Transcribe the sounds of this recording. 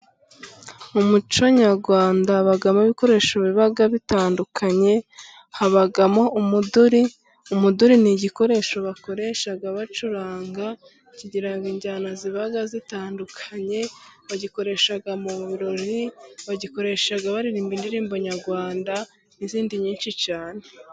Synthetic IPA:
umut͡ʃo̞ɲaɾɡwaːndaβaɡamoβiko̞ɾe̞ːʃoβiβaɡaβitaːndukʰaɲe̞ | haβaɡamo̞umuduɾi | umuduɾiniɟiko̞ɾe̞ʃo̞βako̞ɾe̞ʃaɡaβat͡ʃuɾaːŋɡa | ciɟiɾaŋɡiɲɟaːnaziβaɡazitaːndukʰaɲe̞βaɟiko̞ɾe̞ʃaɡamuβiɾo̞ɾiβaɟiko̞ɾe̞ʃaɡaβaɾiɾiːmbindiɾiːmbo̞ɲaɾɡwaːnda | niziːndiɲiːnʃit͡ʃaːne

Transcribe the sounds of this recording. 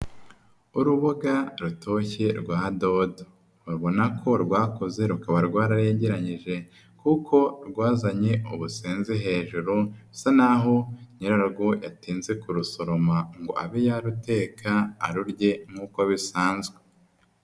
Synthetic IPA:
uɾuβoɡaɾutʰo̞çe̞ɾɡwaːdo̞do̥ | ɾβo̞nakʰo̞ɾɡwaːko̞ze̞ɾukaβaɾɡwaːɾaɾe̞ːɲɟeɾaɲiʒe̞ | kukʰo̞ɾɡwaːzaɲe̞ṵβuseːnzeɦe̞ːʒuɾusanaɦo̞ɲiɾaɾɡo̞jatiːnze̞kuɾuso̞ɾo̞maŋɡo̞̰ʔa̰βijaɾute̞ːkʰa̰ːɾuɾɟe̞ŋ̥uːko̞βisaːnzɡwe

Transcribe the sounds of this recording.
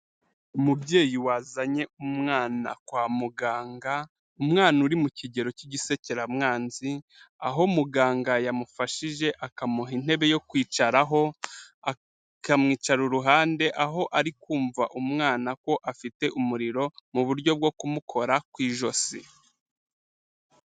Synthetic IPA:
umubɟe̞ːjiwaːzaɲe̞umŋaːna̰kwaːmuɡaːŋɡa | umŋaːnuɾimuciɟe̞ɾo̞ciɟise̞ceɾamŋaːnzia̰ɦo̞muɡaːŋɡajamufaʃiʒe̞ʔakamuɦin̥he̞βe̞jo̞kwiːt͡ʃaɾaɦo̞a | kamŋiːt͡ʃaɾuɾuɦaːnde̞ʔaɦo̞ʔaɾikuːɱvaʔumŋaːnako̞ʔafite̞ʔumuɾiɾo̞muβuɾɟo̞b̚ɡo̞kumukʰo̞ɾakwiːʒo̞si

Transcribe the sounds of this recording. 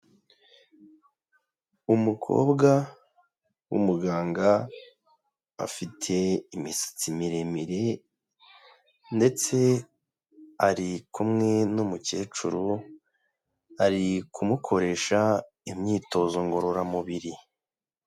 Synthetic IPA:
umukʰo̞̰ːbɡa | wṵmuɡaːŋɡa | fitʰe̞imisḁt͡simiɾemiɾe̞ | nde̞t͡se̞ | aɾikumŋe̞numuce̞ːt͡ʃuɾu | aɾikʰumukʰo̞ɾe̞ʃa | imɲiːto̞ːzoŋɡo̞ɾo̞ɾamuβiɾi

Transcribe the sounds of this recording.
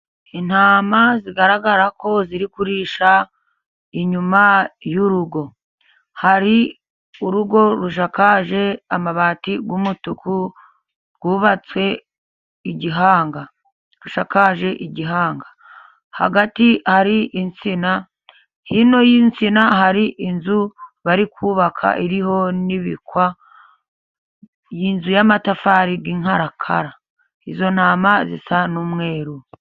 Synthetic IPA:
in̥haːmaziɡaɾaɡaɾako̞ziɾikuɾiːʃa | iɲumajuɾuɡo̞ | haɾi | uɾuɡo̞ɾuʃ̬akaʒe̞amaβaːtiɡwumutuku | ɾɡuːβat͡swe̞ | iɟiɦaːŋɡa | ɾuʃakaʒe̞ʔiɟiɦaːŋɡa | ha̰ɡatihaɾiʔint͡sina | hino̞jint͡sinaɦaɾiʔinzuβaɾikʰuːβakʰa̰ʔiɾiho̞niβḭkwa | jinzujamatafaːɾiɡiːŋhaɾakʰa̰ɾa | izo̞n̥aːmazḭsanumŋe̞ːɾu

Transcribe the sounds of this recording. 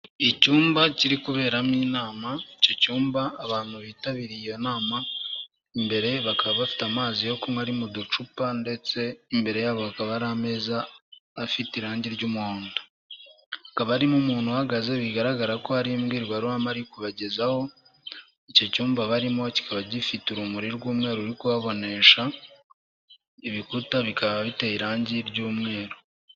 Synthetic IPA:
icuːmbaciɾikuβe̞ːɾamiːnaːmaico̞cuːmbaːβaːn̥huβiːtaβiɾijonaːma | imbe̞ɾe̞βakaβaβafi̥tamaːzijo̞kumwaɾimudut͡ʃupande̞t͡se̞imbe̞ɾe̞jaːβo̞βakaβaɾame̞ːzaːfitiɾaːɲɟiɾɟumuhoːndo̥ | akaβaɾimumuːn̥huhaɡaze̞βiɡaɾaɡaɾako̞haɾimɡiːɾɡwaɾuamaɾikuβaɟe̞zaho̞ | ico̞cuːmbaβaɾimo̞ci̥kʰaβaɟifituɾumuɾiɾɡuːmŋe̞ːɾouɾikuβaβo̞ne̞ʃa | iβikutaβikaβaβite̞iɾaːɲɟiɾɟuːmŋe̞ːɾo

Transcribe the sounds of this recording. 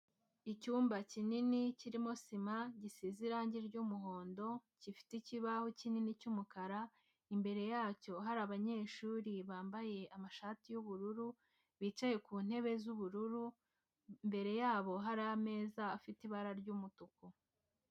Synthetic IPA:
icuːmbacininiciɾimo̞simaɟisiziɾaːɲɟiɾɟuːmuɦo̞ːndo̞cifi̥teciβahocininicumukaɾa | imbe̞ɾe̞jaːco̞ɦaɾaβaɲe̞ːʃuːɾiβaːmbaje̞ʔamaʃaːtijuβuɾuɾu | βiːt͡ʃaje̞kuːn̥he̞βe̞zuβuɾuɾu | mbe̞ɾe̞jaːβo̞ɦaɾame̞ːzaːfitiβaɾaɾɟuːmutuku

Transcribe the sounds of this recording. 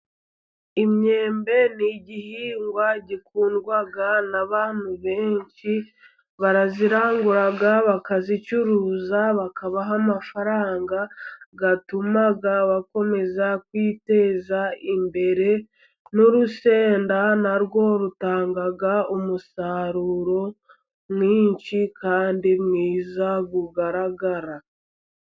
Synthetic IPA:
imɲe̞ːmbe̞niɟihiːŋɡwaɟikuːndɡwaɡanaβaːn̥huβe̞ːɲt͡ʃi | βaɾaziɾaːŋɡuɾaɡaβakazit͡ʃuɾuːzaβakaβaɦamafaɾaːŋɡaɡatumaɡaβako̞me̞zakwiːte̞ːzaimbe̞ɾe̞ | noɾuse̞ːndanaɾɡo̞ɾutaːŋɡaɡaumusaɾuɾo̞ | mŋwiːɲt͡ʃikʰaːndimŋiːzaɡuɡaɾaɡaɾa

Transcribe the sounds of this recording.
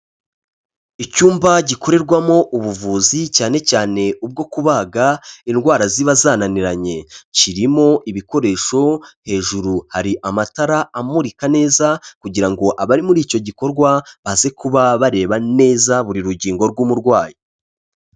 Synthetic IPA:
icuːmbaɟiko̞ɾe̞ɾɡwamo̞ʔuβuvuːzicaːne̞caːne̞ub̚ɡo̞kuβaːɡainɡwaːɾaziβazaːnaniɾaɲe̞ciɾimo̞ʔiβiko̞ɾe̞ːʃo̞he̞ːʒuɾuhaɾiʔamataɾaamuɾikane̞ːzakuɟiɾaŋɡo̞ʔaβaɾimuɾiːco̞ɟiko̞ɾɡwaβaze̞kuβaβaɾe̞ːβane̞ːzaβuɾiɾuɟiːŋɡo̞ɾɡumuɾɡwaːji

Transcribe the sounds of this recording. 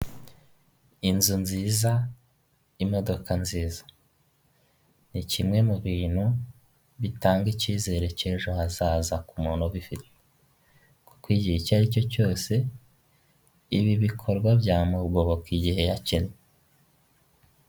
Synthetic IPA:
inzunziːza | imo̞do̞kanziːzḁ | nicimŋe̞muβiːn̥hu | βitaːŋɡiciːze̞ɾe̞ceːʒohazaːzakumuːnoβifite | ku̥kwiːɟihicaɾico̞co̞ːse̞ | iβiβikʰo̞ɾɡwabjaːmubɡo̞βokiɟihe̞jacene

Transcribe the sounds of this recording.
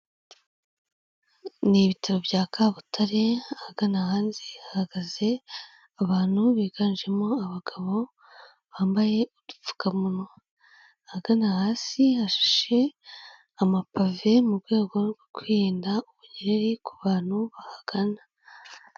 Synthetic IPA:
niβitʰaɾobjaːkʰaːβutʰaɾeahaɡanahaːnzihahaɡ̥aze̞ | aβaːn̥huβiːɡ̥anʒe̞mo̞aβaɡ̥aβo̞ | βaːmbaje̞ud̥u̥fu̥kamuno | ahaɡanahaːsihaʃḁʃe̞ | amapave̞mubɡe̞ːɡo̞ɡo̞kwiːɾiːndauβuɲeɾeɾikuβaːn̥huβahaɡ̥ana

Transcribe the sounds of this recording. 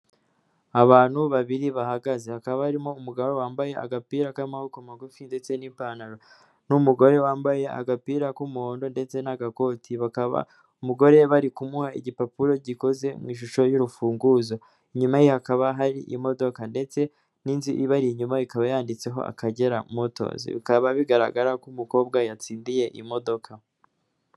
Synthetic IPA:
aβaːn̥huβaβiɾiβahaɡaze̞hakaββahaɾimo̞umuɡaβowaːmbaje̞a̰ɡapiːɾakaimahukomaɡufinde̞t͡se̞niːpaːnaɾo | numuɡo̞ɾe̞waːmbaje̞a̰ɡapiːɾakumuho̞ːndo̞nde̞t͡se̞naɡako̞tʰiβakaβa̰ | umuɡo̞ɾe̞βaɾikumuhaḭɟipapuɾo̞ɟiko̞ze̞mwiːʃ̬uʃo̞juɾufuːŋɡuzo̞ | iɲumaijhakaβaɦaɾiʔḭmo̞do̞kande̞t͡se̞ | niːnziʔiβaɾiɲumaikaβajaːndit͡se̞ɦo̞̰ʔa̰kaɟe̞ɾamoto̞̰zḭβḭkaβaβiɡaɾa̰ɡaɾakumuko̞ːb̚ɡajat͡siːndije̞ʔimo̞do̞kʰa

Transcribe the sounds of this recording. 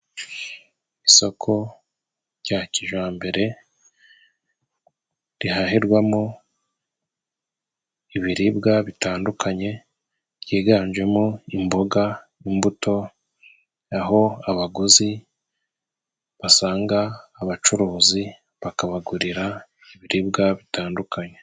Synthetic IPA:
iso̞kʰo̞ | ɾɟaciʒwaːmbe̞ɾe̞ | ɾiɦaɦiɾɡwamo | iβiɾibɡaβitaːndukʰaɲe̞ | ɟiːɡaːɲd͡ʒwe̞moimbo̞ɡa | imbuto̞ | aɦo̞aβaɡuzi | βasaːŋɡaːβat͡ʃuɾuːzi | βakaβaɡuɾiɾa | iβiɾib̚ɡaβitaːndukʰaɲe̞

